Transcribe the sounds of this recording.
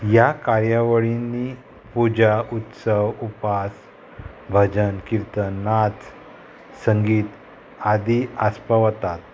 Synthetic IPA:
jakaɾjaʋəɭinːi | pud͡ʑaʔut̪səʋupas | bʱəd͡ʑənkiɾt̪ənat͡s | səŋɡiːt̪ | ad̪iaspəʋət̪at̪̚

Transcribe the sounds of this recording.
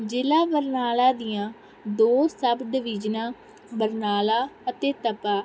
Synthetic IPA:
d͡ʒɪlaːbəɾnaːlãːd̪ɪjãː | d̪oːsəbd̪ɪʋɪd͡ʒnãː | bəɾnaːlaːət̪eːt̪əpaː

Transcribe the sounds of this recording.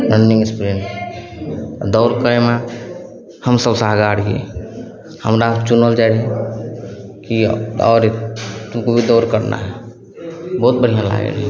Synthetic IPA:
ɾəɳːĩŋɡspɾiɳ | d̪ɔʊɾkəɾeme | həmsəbsaɦɡaɽɡḛ | həmɾat͡ʃunəld͡ʒalɛ | kiɔ̰ːɾt̪umkobʱid̪ɔʊɾkəɾnʔa̰ɦɛ | bɔɦut̪̚bəɽ̤ijãla̰ɡḛlɦḭ

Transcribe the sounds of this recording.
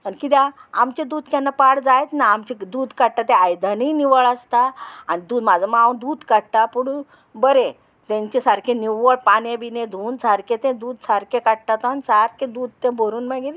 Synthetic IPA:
anikit̪aamt͡ɕed̪uːd̪ʱkãnːapaɽd͡zajt̪naːmt͡ɕid̪uːd̪ʱkaɽʈ̪at̪ẽajd̪ʱaniːniʋəɭəst̪aanid̪uːd̪mad͡zʱaməɡaud̪uːd̪ʱkaɽʈ̪apuɽu | bəɾe | t̪ẽɲt͡ɕesaɾkʰẽniʋəɭpanẽbinẽd̪ʱuːnsaɾkʰẽt̪ẽd̪uːd̪saɾkʰẽkaɽʈat̪oanisaɾkʰẽd̪uːd̪̚ʱt̪ẽbʱoɾuːnmaɡiɾ

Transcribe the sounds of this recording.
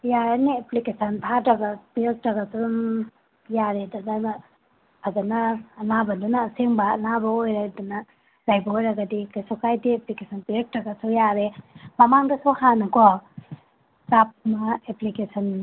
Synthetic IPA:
jaɾanieplikesɐntʰatɾɐɡapel̚tɐɡatuɾuŋ | jaɾedunɐn | aɡɐnɐːnabɐdunɐːseŋbɐːnabɐojɾadunɐ | lajbɐojɾɐɡɐdikajsokʰajdieplikesʰɐnpiek̚tɐɡasujaɾemɐmaŋdɐsuhanɐkɔ | sap̚maeplikesʰɐn

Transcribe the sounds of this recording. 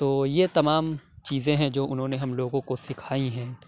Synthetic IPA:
t̪oːjet̪ɐmaːmt͡ʃiːzẽɦɛ̃d͡ʒoːʔʊnɦõːneɦɐmloːɡõkosɪkʰaːiɦɛ̃ː

